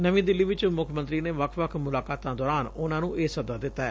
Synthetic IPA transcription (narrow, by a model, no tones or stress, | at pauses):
nəʋĩːd̪ɪlːiːʋɪt͡ʃmʊkʰmə̃nt̪ɾiːneːʋəkʰʋəkʰmʊlaːkaːt̪ãːd̪ɔːɾaːnʊnãːnũːʔeːsəd̪aːd̪ɪt̪ːaːɛː